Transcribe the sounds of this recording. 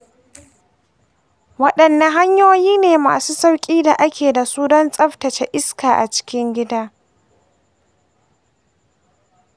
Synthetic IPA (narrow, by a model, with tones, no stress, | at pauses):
wɐ˦ɗɐ˨nːɐ˦ɦa˦ɲjoː˦jiː˦neː˨ma̰ː˨suː˦sa˦wkʲʼiː˦da˨ʔa˦kʲʰeː˨da˨suː˦dɔ˦nsʼɐ˦ɸtɐ˨t͡ʃe˦ʔɪ˦skaː˨ʔa̰˨t͡ʃɪ̥˦kʲɪ˦ŋɡʲɪ˦daː˦